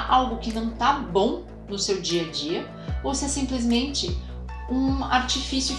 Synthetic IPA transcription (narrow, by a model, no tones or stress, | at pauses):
ʔawɡʊkɪnɐ̃w̃t̪abõw̃ | nʊsewd͡ʒiɐd͡ʒiɐ | osɪɛsĩplɪzmẽnt͡ʃɪ | ũaɾt͡ʃifisjʊ